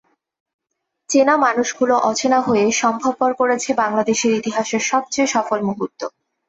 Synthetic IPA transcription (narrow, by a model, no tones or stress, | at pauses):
t͡ɕenamanuʃɡuloʔɔt͡ɕʰenaɦoeʃɔmbʱab̚koɾkoɾet͡ɕʰebaŋlad̪eʃeɾit̪iɦaʃeɾʃɔb̚t͡ɕejʃɔfolmuɦut̪ːo